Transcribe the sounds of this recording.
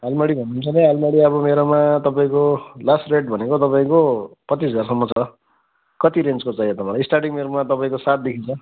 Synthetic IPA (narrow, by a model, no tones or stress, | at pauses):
ɦalmʌɽibʱʌnːuːnt͡sʰʌnẽalmʌɽiʌbʌmeɾomat̪ʌpaĩkolasʈreʈ̚bʱʌnekot̪ʌpaĩkopʌt͡sisʌd͡zarsʌmːʌt͡sʰʌ | kʌt̪iɾent͡skot͡saĩʌt̪ʌpãlaisʈarʈiŋmeɾomat̪ʌpaĩkosat̪̚d̪ekʰint͡sʰʌ